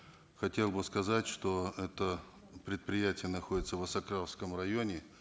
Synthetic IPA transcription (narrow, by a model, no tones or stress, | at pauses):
xɐtʲe̞lˠbɨskɐzatʲʂt̪oɛt̪ə | pɾʲɪt̪̚pɾʲɪjætʲɪjənɐxo̞dʲɪt̪səvɐsɐkɾaskəmrɐjonʲɪ